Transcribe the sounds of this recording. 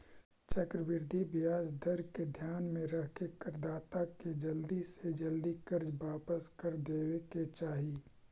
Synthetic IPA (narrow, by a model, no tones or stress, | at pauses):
t͡ʃəkɾəbɪɾd̪ʱibɪjaːd͡ʒd̪əɾked̪ʱjaːnmẽɾɐɦkekəɾd̪aːt̪aked͡ʒɐld̪ised͡ʒɐld̪ikəɾd͡ʒbaːpəskəɾd̪eːweket͡ʃaːɦi